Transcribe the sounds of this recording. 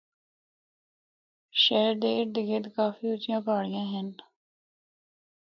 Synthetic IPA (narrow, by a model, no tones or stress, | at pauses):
ʃɛːəɾd̪eːɪɾd̪ɪɡeːt̪kaːfiːʊt͡ʃːɪjãːpaːɽɪjãːɦən